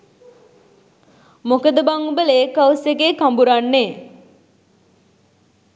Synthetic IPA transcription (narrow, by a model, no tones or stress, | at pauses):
mokəd̪əbaŋubəleːkəwsekeːkambuɾanːeː